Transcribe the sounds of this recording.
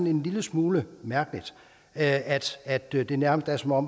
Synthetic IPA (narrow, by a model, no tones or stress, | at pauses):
ne̝nliləsmuːləmæɐɡ̥əlid̥ | əæd̥æd̥d̥e̝næɐməsd̥æɐsɒ̽mɒ̽m